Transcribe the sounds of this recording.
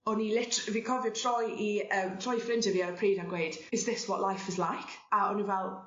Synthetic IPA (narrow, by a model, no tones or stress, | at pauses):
ɔnilɪtəvikʰɔvətʰr̥ɔjiəmtʰɹ̥ɔjfɾɪ̃ntəvjəəpʰɹiːdanɡweːd̥ɪzðɪswɔ̰ʔlajfɪzlajkʰ | aɔnivɛlˠ